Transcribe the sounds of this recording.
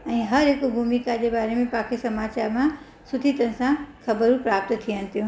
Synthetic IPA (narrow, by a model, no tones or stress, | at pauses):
ɛ̃ːɦɐɾɪkbʱumikad͡ʑebaːɾemẽpãːkʰesɐmaːt͡ɕaːɾmã | sʊt̪ʰit̪ə̃nsãkʰɐbəɾũpɾaːp̚t̪t̪ʰijən̆t̪ijũ